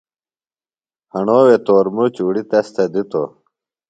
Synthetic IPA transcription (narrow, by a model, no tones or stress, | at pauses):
hɐɳoːwet̪oːɾmut͡ɕuɽit̪ɐst̪ɐd̪it̪o̰